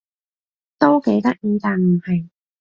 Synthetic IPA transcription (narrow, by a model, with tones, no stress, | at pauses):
t̪o˥wke˨˥jt̪ɐ˥k̚jiː˧t̪aː˨˩nm̩˨˩hɐ˨˩j